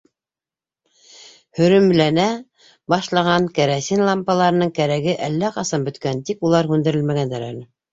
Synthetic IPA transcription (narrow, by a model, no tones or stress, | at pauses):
hɵ̆ɾɵ̆mlænæ | bɑʃlˠɑʁɑŋkæɾæsinlˠɑmpɑlˠɑɾɤ̆nɤɴkæɾæɡɘʔælːæqɑsɑmbɵ̆t̪kænt̪ikulˠɑɾhʉnd̪ɘ̆ɾɘ̆lmæɣænd̪æɾæ̰lɘ